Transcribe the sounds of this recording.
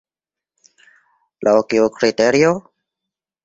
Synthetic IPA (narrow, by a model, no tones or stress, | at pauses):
lʔaokiokɾit̪eɾio